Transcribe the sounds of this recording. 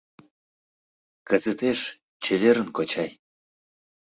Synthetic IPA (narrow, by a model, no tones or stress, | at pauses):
kəzə̆t̪eʃ | t͡ɕĕlʲeɾə̆nkot͡ɕɑj